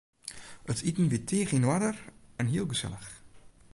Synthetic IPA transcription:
ətʰitn̩ʋitʰeːχinwadərɛnɦiəlˠɡəsɛ̰lˠəx

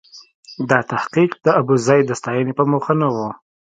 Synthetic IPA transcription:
d̪ɑt̪ahqiqd̪̥əabuzɑjd̪əst̪ɑjənepəmuxənawu

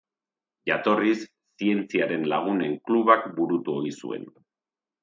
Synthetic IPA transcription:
ʝat̪o̞risː | ie̞nt͡siaɾe̞nlaɣ̞une̞ŋkluβakbuɾut̪uo̞isṵe̞̰n

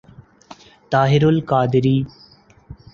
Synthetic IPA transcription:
t̪aːɦɪɾʊlkaːd̪ɪɾiː

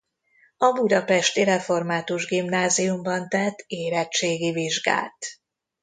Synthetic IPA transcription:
ɒbud̪ɒpɛʃt̪iɾɛfo̞rmaːt̪uʒɡimnaːzijumbɒnt̪ɛt̪ːeːlɛt͡ʃeːɡiviʒɡa̰ːlt̪

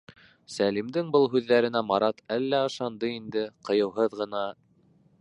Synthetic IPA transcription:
sælimd̪ɘŋbɤlˠɦʉðːæɾɘ̆næmɑɾɑt̪ælːæɤ̆ʃɑnd̪ɤind̪ɘqɤ̆jɤ̆wɦɤðʁɤ̆nɑ

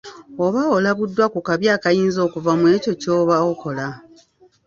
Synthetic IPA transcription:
o̞βaolaβudːwakukaβjaːkajiːnzo̞ːkuvamwe̞ːco̞co̞ːβaoko̞la

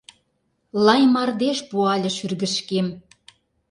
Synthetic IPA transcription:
lɑjmɑrd̪eʃpuɑlʲɤ̆ʃyrɣə̆ʃkem

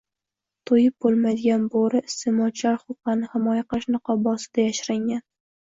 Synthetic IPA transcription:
t̪ʰojɪp̚bolˠmad̪ɪɡʲanboɾɪst̪ɪmɒt͡ʃʰlaɾχʊqɑnɪhɪmɒjaqɨlˠɪʃnɨqʰɒbɒsɪd̪̥ajaʃɾaŋʲan

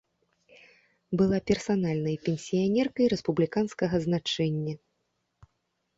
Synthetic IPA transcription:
bɨlˠapʲɛrsanalʲnɐjpʲɛnʲsʲijanʲɛrkɐjɾɛspublʲikanskɐɣɐznat͡ʂɛnʲːɐ

